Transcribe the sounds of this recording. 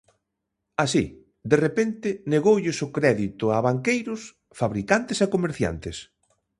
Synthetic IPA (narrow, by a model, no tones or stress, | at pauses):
asi | d̪erepent̪ɪneɣowʎɪsʊkɾɛðit̪ʊaβaŋkejɾʊs | faβɾikant̪ɪsekomeɾθja̰nt̪ɪs